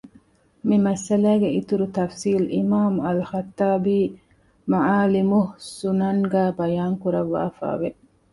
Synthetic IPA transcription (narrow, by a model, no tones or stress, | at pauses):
mimɐsɐlæːɡeit̪uɾut̪ɐfsiːlimaːmɐlxɐt̪ːaːbiː | maʕaːlimuhsunɐnɡæːbɐjaːŋkuɾɐʋːa̰ːfa̰ːʋe